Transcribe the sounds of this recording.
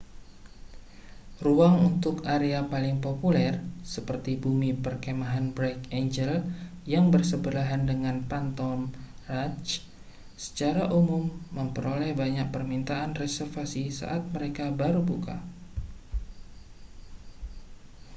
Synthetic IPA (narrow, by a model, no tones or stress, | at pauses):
ruaŋunt̪ʊkaɾeapalɪŋpopulɛrsəpərt̪ibumipərkemaɦanbɾɛkeɲd͡ʒəl | jaŋbərsəbəlaɦandəŋanpant̪ɔm | rat͡ʃ | sə̥t͡ʃaɾaʔumʊmːəmpəɾolɛhbaɲak̚pərmint̪aʔanrɛsɛrfasisa̰ʔat̪̚məɾekabaɾubuka̰